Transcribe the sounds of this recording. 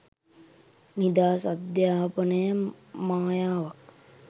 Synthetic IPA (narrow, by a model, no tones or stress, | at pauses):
nid̪aːsad̪jaːpənəjə | maːjaːʋak̚